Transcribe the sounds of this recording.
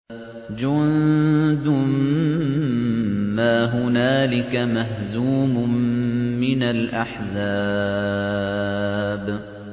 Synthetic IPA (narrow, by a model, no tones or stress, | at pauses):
d͡ʒʊnd̪ʊm | aːɦʊnaːlɪkamaɦzuːmʊmːɪnalʔaħzaː | b